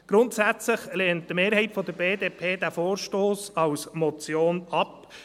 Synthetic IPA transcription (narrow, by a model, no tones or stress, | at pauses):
ɡ̥ɾʊntsæt͡slɪχleːnt̚dəmeːɾhɛɪtfɔd̪əɾbeːdeːpʰeːdæfoːɾʃtoːsɑwsmɔt͡sjoːnɑp